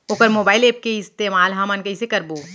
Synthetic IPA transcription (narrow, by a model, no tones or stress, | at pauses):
oːkəɾmoːbaːɪleːp̚keɪst̪eːmaːlɦɐmɐnkɐisekɐɾboː